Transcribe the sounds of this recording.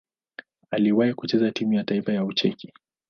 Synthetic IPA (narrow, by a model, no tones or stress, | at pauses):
aliwahikut͡ʃɛzatimujataifajaut͡ʃɛki